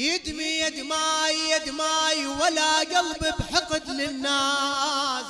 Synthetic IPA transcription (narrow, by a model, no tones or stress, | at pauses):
jɪd̪mijad̪maːjjad̪maːjwalaɡalbɪbħɪqɨd̪lɪnːaː | s